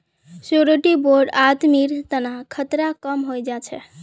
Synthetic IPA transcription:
soɾoʈiboɾɖat̪miɾt̪ənaɦkʰət̪ɾakəmɦojd͡ʒat͡ʃʰɛ

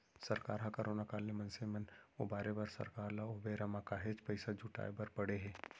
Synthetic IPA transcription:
sɐɾkaːɾɦakɐɾoːnakaːlːemɐnsemɛno̰baːɾebaːɾsɐ̰ɾkaːɾlaobeːɾamakaːɦeːd͡ʒpɐɪsad͡ʒʱʊʈa̰ːebɐɾpɐɽeɦɛ̃ː

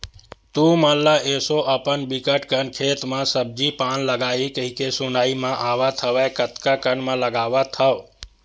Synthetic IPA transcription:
t̪ũmãllaʔeːsoʔəpənbikəʈkənkʰeːt̪mãsəb̚d͡ʒipaːnləɡaːikəɦikesʊnaːimãʔaːʋat̪ʰəʋɛkət̪kakənmãləɡaːʋat̪ʰəʋ

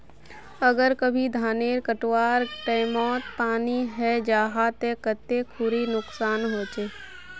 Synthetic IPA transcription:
əɡəɾkəbʱid̪ʱaːneːɾkəʈwaːɾʈɛːmɔːt̪paːniɦɛd͡ʒaːɦaːt̪ɛkət̪ːekʰʊɾinʊksaːnɦoːt͡ʃeː

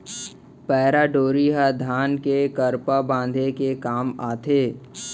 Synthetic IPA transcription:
pɛːɾaɖoːɾiɦad̪ʱaːnkekəɾpabãːn̆d̪ʱekekaːmaːt̪ʰeː

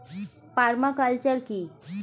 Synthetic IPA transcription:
paɾmakalt͡ɕəɾki

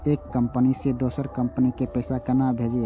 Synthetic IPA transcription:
ekːəmpnised̪osəɾkəmpənikepɛːsakənabʱed͡ʒe

